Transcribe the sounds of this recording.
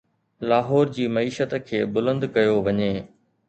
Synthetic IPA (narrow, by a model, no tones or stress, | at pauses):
laːɦɔːɾd͡ʑiːmɐiːʃət̪kʰeːbʊlə̃nd̪kɐjoʋɐɲeː